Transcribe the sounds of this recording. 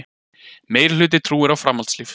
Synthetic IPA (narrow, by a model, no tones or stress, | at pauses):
meːjɾɪl̥ʏːt̪̬ɪt̪ʰɾuːɪɾawfɾamalt̪sliːf